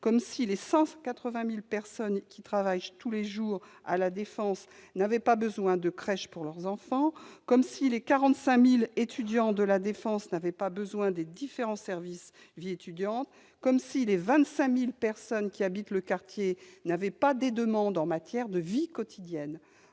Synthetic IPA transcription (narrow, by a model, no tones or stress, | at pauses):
kɔmsilesɑ̃kat̪χəvɛ̃milpɛʁsɔnkʲit̪χavajt̪uleʒuːʁ | a̰lad̪efɑ̃snavɛpabəzwɛ̃d̪əkχɛʃpuʁlœʁzɑ̃fɑ̃kɔmsilekaʁɑ̃t̪sɛ̃milet̪ʰyd̪jɑ̃d̪əlad̪efɑ̃snavɛpabəzwɛ̃d̪ed̪ifeʁɑ̃sɛʁvis | viet̪yd̪jɑ̃t̪ | kɔmsilevɛ̃t̪sɛ̃milpɛʁsɔnkʲiabit̪ləkaʁt̪jenavɛpad̪ed̪əmɑ̃d̪ɑ̃mat̪jɛʁd̪əvikɔt̪ʰid̪jɛn